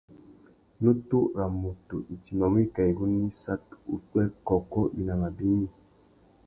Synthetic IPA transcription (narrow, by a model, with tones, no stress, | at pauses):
nu˦tu˦ɾa˨mu˨tu˨ʔi˨t͡ʃi˨nɔ˨m˦i˦˨ka˨i˨ɡu˦ni˦sa˦tu˦twɛ˦lkɔ˨kɔ˦wi˨na˨ma˨bi˦ɲi˦